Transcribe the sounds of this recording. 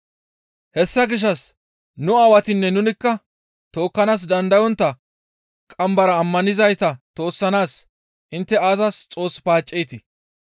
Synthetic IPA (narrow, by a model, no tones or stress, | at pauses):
hɛsːɐɡɪʃ̬ːɐs | nʊɐwɐt̪ɪnːɛnʊnɪkːɐ | t̪o̞ːkːɐnaːs̬d̪ɐnd̪ɐjɔnt̪ːɐ | kʼɐmbɐɾɐːmːɐnɪzɐjt̪ɐt̪o̞ːsːɐnaːs | ʔɪnt̪ːɛaːzɐst͡sʼo̞ːsːpaːt͡ʃʼːɛjt̪ɪ